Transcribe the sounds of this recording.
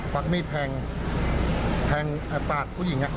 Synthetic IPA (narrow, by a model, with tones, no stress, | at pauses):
pa˧k̚niː˥˩pʰɛː˧ŋ | pʰɛː˧ŋa˧paː˨˩t̪̚kʰuː˧˥˩ji˨˩˦ŋa˦˧ʔ